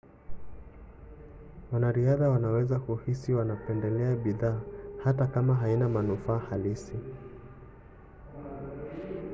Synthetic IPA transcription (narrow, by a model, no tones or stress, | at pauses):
wanaɾiaðawanawɛzakuhisiwanapɛndɛlɛaɓiðaːhatakamaɦainamanufaːhalisi